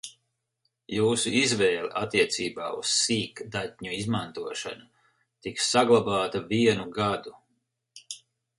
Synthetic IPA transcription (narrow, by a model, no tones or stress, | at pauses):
juːsuizvɛːlˠeʔat̪ːiɛt̪siːbaːussiːkd̪at̪̚ʲɲuizmant̪uɔʃa̰nu | t̪iksaɡlˠabaːt̪aviɛnuɡad̪u